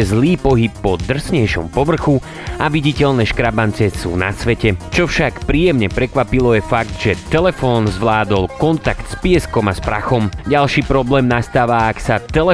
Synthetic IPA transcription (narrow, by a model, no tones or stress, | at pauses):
zliːpɔɦipːɔd̪r̩sɲɛjʃɔ̰mpɔʋr̩xu | aʋiɟicɛʎnɛːʃkɾabant͡sɛsṵːna̰sʋɛcɛt͡ʃɔfʃakpɾiːjɛmɲɛpɾɛkʋapilɔjɛfaɡd̪ʒɛt̪ɛlɛfɔːnzʋlaːd̪ɔlkɔnt̪akt̪spɪɛskɔmaspɾa̰xɔmɟalʃiːpɾɔblɛːmnast̪aːʋaːksat̪ɛlɛ